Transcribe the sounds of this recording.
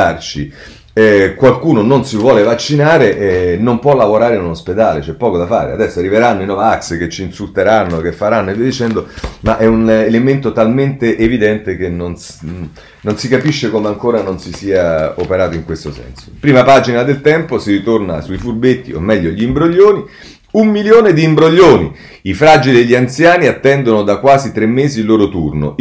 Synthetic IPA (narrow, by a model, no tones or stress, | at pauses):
art͡ʃi | ɛkwalkuːnononsivwɔːlevat͡ʃːinaːɾeʔɛnompwɔlːavoɾaːɾeinunosped̪aːlet͡ʃɛpːɔːkod̪afa̰ːɾḛa̰d̪ɛsːoarːiveɾanːoinɔːvaaksket͡ʃːiːnsult̪eɾanːok̟efːaɾanːoeved̪it͡ʃɛnd̪omaʔɛunelement̪ot̪alment̪eʔevid̪ɛnt̪ek̟enːons | nonsikapiʃːekomeaŋkoːɾanonsisiːaopeɾaːt̪oiŋkwest̪osɛ̰nso̥pɾiːmapaːd͡ʒinad̪elt̪ɛmposiɾit̪orna̰suifurbet̪ːḭo̰mːɛʎːoʎiːmbɾoʎːoːni | umːiljoːned̪iːmbɾoʎːoːnḭ | ifɾaːd͡ʒilieʎːiant̪sjaːniat̪ːɛnd̪onod̪akːwaːzit̪ɾemːeːzilːoːɾot̪urno̰